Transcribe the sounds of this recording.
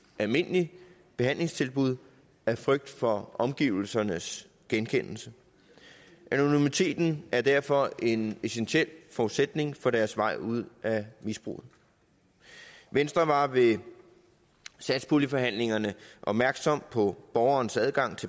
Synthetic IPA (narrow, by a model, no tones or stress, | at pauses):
ʔælme̝n̰li | b̥e̝hæn̰le̝ŋst͡sʰe̝lb̥uð̞̰ˠ | æfʁœɡ̥̚d̥fɒ̽ɒ̽mɡ̥ḭːʊl̩sɐnəs | ɡ̥enkʰen̰l̩sə | ʔæno̝nimit͡sʰe̝̰ːd̥n̩ʔæɐd̥æɐfɒ̽e̝nesenɕel̰fɒud̥sed̥ne̝ŋfɒ̽ɾ̥æɐsʋɑ̈ɪ̰uð̞̰ˠæmisb̥ʁṵːð̩ˠ | ʋensd̥ʁɐʋɑ̈ʋe̝ | sæd̥spʰulifɒ̽ɦæn̰le̝ŋɐnəʔɒ̽b̥̚mæɐɡ̥sɒ̽m̰pʰɒ̽b̥ɒːʊɐːnsæðˠɡ̥ɑ̈ŋ̰t͡sʰe̝